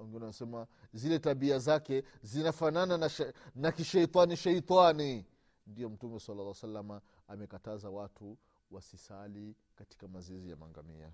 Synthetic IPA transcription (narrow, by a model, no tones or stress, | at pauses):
ɔŋɡɛnanasɛmazilɛtaɓiazakɛzinafanananaʃnakiʃɛit̪ˤwaniʃɛit̪wani | ndijɔm̩tumɛsalːalaasalːamaː | mɛkatazawatu | wasisali | kati̥kamazizija̰ma̰ŋɡa̰mḭa̰